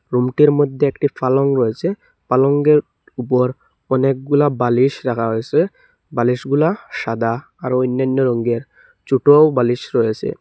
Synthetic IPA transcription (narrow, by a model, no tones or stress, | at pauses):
ɾumʈiɾmod̪ʱːeekʈifaloŋɾɔjet͡ɕʰe | paloŋɡeɾ | upoɾ | ɔnek̚ɡulabaliʃɾakʰaɦojet͡ɕʰe | baliʃɡulaʃad̪ʱa | aɾoinːanːoɾoŋɡeɾ | t͡ɕuʈobaliʃɾɔjet͡ɕʰḛ